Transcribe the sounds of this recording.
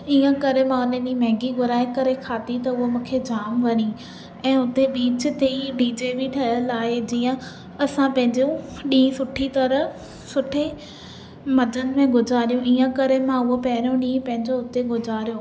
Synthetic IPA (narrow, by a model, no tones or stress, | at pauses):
iːə̃kɐɾemãʊnẽɗimɛ̃ɦŋɡiɡʊɾaːekɐɾekʰaːt̪it̪ɐʊɦomũːkʰed͡ʑaːmʋɐɾi | ɛ̃ːʊt̪eɓiːt͡ɕt̪ʰeːiɖiːd͡ʑeːbiʈʰɐləlaːed͡ʑiːə̃ | ɐsãpɐ̃ɦɪ̃ɲd͡ʑuɗĩːsʊʈʰit̪ɐɾə | sʊʈʰe | mɐd͡ʑənɪ̆mẽɡʱʊd͡ʑaːɾijũʔiːə̃kɐɾemãʊɦopɛːɾjõɗĩːpɐ̃ɦɪ̃ɲd͡ʑoʊt̪eɡʱʊd͡ʑʱaːɾijoː